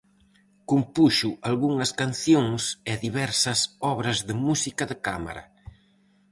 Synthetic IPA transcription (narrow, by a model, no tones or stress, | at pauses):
kumpuʃuʔalɣuŋɐskanθjoŋsɪðiβɛɾsɐsɔβɾɐzðɪmusikɐðɪkama̰ɾɐ̰